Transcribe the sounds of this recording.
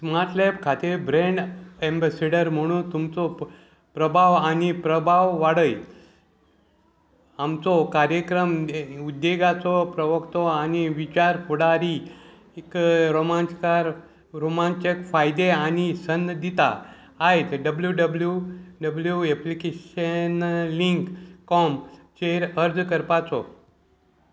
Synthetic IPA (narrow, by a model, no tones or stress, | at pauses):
smaɾt̪lepkʰat̪ebɾeɳɖembeseɽəɾm̤əɽ̃ũːnt̪umt͡sɔ | pɾəbʱaʋanipɾəbʱaʋʋaɽəj | amt͡sɔkaɾjəkɾəmud̪ːeɡat͡sɔpɾəʋəkt̪ɔaniʋit͡ɕaɾpuɽaɾi | kɾomanskaɾ | ɾomant͡ɕekfajd̪eanisənd̪it̪a̰ː | ɦet̪ɖəbljuɖəbljuɖəbljueplikeɕənliŋkkɔmt͡ɕeɾəɾd͡zkəɾpat͡sɔ